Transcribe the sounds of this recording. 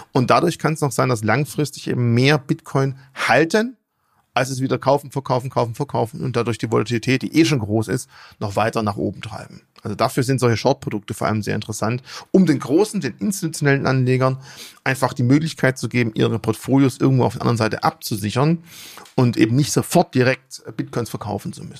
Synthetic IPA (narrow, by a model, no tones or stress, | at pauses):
ʔʊnt̚d̥adʊɐçkʰanɛsaʊszaɪndas̬laŋfʁ̥ɪstɪ̥çʔḛːbm̩meːɐbɪtkʰɔʏnhaltʰən | ʔalsɛsv̥iːdɐkʰaʊfn̩fɛɐkʰaʊfn̩kʰaʊfn̩fɛɐkʰaʊfn̩ʊ̰nt̚d̥adʊɐçd̥iːvolatʰilitʰɛːt̚d̥ḭːʔeːʃoːnɡʁoːsɪ̰stnɔχv̥aɪtɐnaːχʔo̰ːbm̩tʁ̥a̰ɪbm̩ʔalzodafyːɐzɪntzɔlçəʃɔɐt̚pʁ̥odʊk̚təfoɐa̰ləmzḛːɐɪntəʁəsantʊmdeːnɡʁoːsn̩deːnʔɪnsti̥tut͡sjonɛlənʔa̰nleːɡɐnʔaɪnfaχd̥iːmøːklɪçkʰaɪt̚t͡suɡeːbm̩ʔḭːʁ̞əpʰɔɐtfoːljoːsʔɪ̰ɐɡŋtvoːaʊfdɛɐandəənzaɪtə̰ʔap̚t͡suzɪçɐnʊntʔḛːbm̩nɪçtz̥ofɔɐt̚d̥iʁɛk̚tb̥ɪt̚kʰɔʏnsfɛɐkʰaʊfn̩t͡sṵmʏsn̩